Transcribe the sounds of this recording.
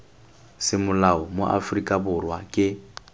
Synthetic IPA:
sɪmʊlaɔmo̰ʔa̰frikʼabʊrwakʼɪ

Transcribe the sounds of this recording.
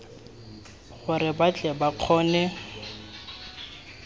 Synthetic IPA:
ɣʊɾɪbat͡ɬʼɛbaq͡χʰɔːnɛ

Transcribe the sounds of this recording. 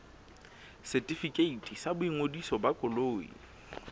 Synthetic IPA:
sɛtʼifikʼeitʼisabʊiŋodisɔbakʼʊloːḭ

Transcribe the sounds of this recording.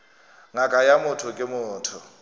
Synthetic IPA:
ŋakʼajamʊtʰʊkʼɪmʊːtʰʊ

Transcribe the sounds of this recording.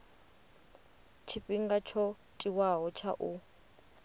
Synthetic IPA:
t͡ʃʰiɸiŋɡat͡ʃʰɔ | tʼiwaɦɔt͡ʃʰa̰ʔu

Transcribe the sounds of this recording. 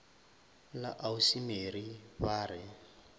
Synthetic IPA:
la̰ʔausimeɾibaːɾɪ

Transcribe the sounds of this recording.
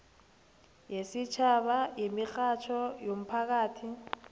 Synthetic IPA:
jesit͡ʃʰaɓajemixat͡ʃʰɔjom̩pʰak̬aːtʰi

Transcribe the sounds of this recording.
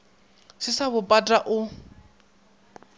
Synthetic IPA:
sɪsaβʊpʼatʼaʔʊ

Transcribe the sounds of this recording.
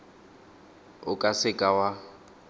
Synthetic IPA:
ʊkʼasɪkʼawa

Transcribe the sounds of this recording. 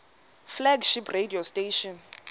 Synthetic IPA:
flɛɡʃipʰrediosteʃɔn

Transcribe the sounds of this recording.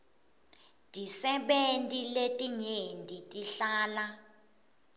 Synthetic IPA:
dʱʼisɛɓentʼiletʼiɲendʱʼitʼiɬaːla

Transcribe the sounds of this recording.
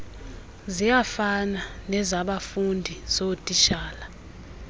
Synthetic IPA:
zijafananɛzaɓafundʱiz̥otʼiʃaːla

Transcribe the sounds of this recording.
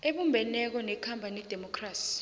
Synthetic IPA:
eɓumbʱɛnɛk̬ɔnɛkʰampanid̥ʱɛmɔkʰraːsi̥

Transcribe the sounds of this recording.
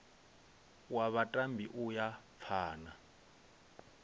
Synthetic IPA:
waβatʼambʱiʔujap̪fʰaːna

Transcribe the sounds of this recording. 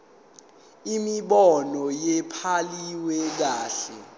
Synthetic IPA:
imiɓɔnɔjɛpʰaliwɛk̬aːɬɛ

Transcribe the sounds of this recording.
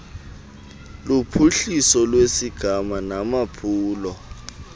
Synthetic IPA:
lupʰuɬisɔlwesiɡ̥ʱamanamapʰuːlɔ

